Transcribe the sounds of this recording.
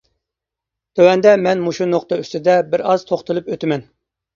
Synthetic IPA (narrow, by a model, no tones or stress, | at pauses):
d̪̥øwɛnd̪ɛmɛnmuʃunoχt̪ɑyst̪ɪd̪ɛbɪɾɑz̥t̪ʰoχt̪ʰɨlˠɨpøt̪ɪmɛn